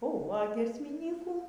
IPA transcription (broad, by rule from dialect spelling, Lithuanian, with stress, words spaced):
oːˈɣoː ɐ ɡʲiɛsʲmʲɪˈnʲiːkuː